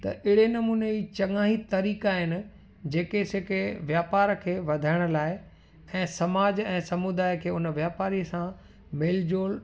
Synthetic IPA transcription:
t̪ɐ̰ʔɪɽenɐmuːneit͡ɕɐŋaːɦit̪ɐɾiːkaːɦɪnɪ̆ | d͡ʑeːkeseːkeʋjaːpaːɾkʰeːʋɐd̪ʱaːɪɽ̃ʊ̆laːɪ | ɛ̃ːsɐmaːd͡ʑɛ̃ːsɐmud̪aːjkʰeːʊnəʋjaːpaːɾiəsã | meːld͡ʑoːl

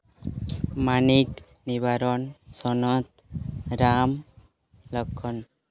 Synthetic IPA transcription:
manik | niβaɾɔnsɔnɔt̪ɾam | lɔkʰːɔn

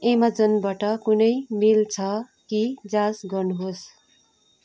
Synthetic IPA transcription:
emad͡zʌnbaʈʌkunʌjmilt͡sʰʌ | kid͡zãsɡʌrnuɦos

